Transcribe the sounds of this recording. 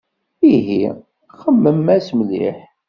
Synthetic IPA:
iɦi | χəmːəmːæsmlḭħ

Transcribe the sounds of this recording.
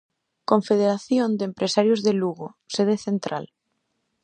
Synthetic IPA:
kõɱfeð̞eɾaθjond̪empɾesaɾjozðeluɣoseð̞eθent̪ɾa̰l

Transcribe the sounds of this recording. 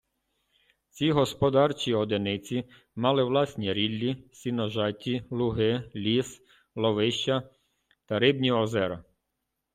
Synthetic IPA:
t͡sʲiɦɔspɔd̪ɑrt͡ʃiɔd̪enɪt͡sʲi | mɑlˠɪʋlˠɑsʲnʲiɾʲilʲːisʲinɔʒɑtʲilˠʊɦɪlʲis | lˠɔʋɪʃt͡ʃɐ | t̪ɐɾɪbnʲiɔzɛɾɐ̰

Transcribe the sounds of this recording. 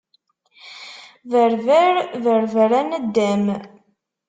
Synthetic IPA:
vəɾvəɾvəɾvəɾænəd̪ːæm

